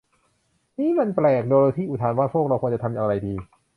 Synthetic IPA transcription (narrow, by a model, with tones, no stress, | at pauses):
niː˦˥˩ma˧nplɛː˨˩k̚doː˧lt̪ʰiː˥˩ʔu˨˩aː˧nwaː˥˩pʰoː˥˩k̚ɾa˧wkʰːnt͡ɕa˨˩t̪ʰa˧mʔa˧ɾa˧jdiː˧